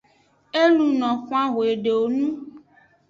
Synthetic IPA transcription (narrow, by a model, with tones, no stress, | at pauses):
e˦lu˨nɔ̃˨xũ˦a˦ɣo˨e˨ɖe˨wo˨nũ˦